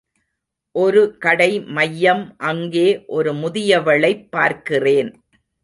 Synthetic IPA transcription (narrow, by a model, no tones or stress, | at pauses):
ʔɔɾɯkɐɽɐɪmɐjːɐmʔɐŋɡeːʔɔɾɯmʊðɪjɐʋɐɭɐɪpːaːɾkɪreːn